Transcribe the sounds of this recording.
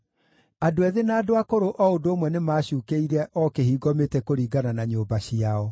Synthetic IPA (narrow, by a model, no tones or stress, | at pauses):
adoɛðenaːdoakoɾoʔɔodoomwɛnemaːɕuːkeiɾɛʔɔkeɦiːɡɔmetɛkoɾiːɡananaɲoːbaɕiaɔ